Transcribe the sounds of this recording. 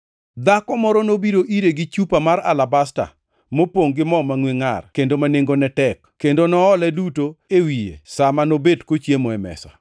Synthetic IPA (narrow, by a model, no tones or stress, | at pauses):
d̪akɔmɔɾɔnobiɾoʔiɾeɡit͡ʃupamaɾa̰labasta̰ | mopoŋɡɪmɔmaŋweŋa̰rkendomaneŋɡonɛtɛk | kːendonɔːlɛdutoewijḛsamanobedkot͡ʃjemɔɛmɛ̰sa̰